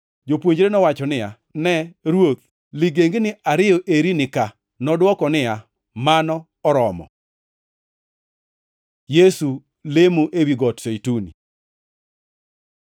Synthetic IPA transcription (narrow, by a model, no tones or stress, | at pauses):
d͡ʒopwoɲd͡ʒɾenɔwat͡ʃɔnɪja | nɛɾwot̪̚ | liɡeŋɡnɪʔaɾɪjɔʔeɾinɪka | nɔdwɔkɔnɪja | manɔːɾɔmɔ̰ | jesu | lemoʔewiɡɔtsejtunḭ